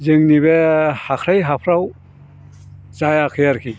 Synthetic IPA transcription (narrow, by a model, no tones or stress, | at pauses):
zɯŋniβehakʰɾajɦapʰɾaw | zajakʰɯjaɾkʰi